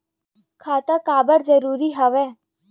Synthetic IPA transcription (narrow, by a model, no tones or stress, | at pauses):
kʰaːt̪akaːbəɽzəɾuːɾiɦɐʋeː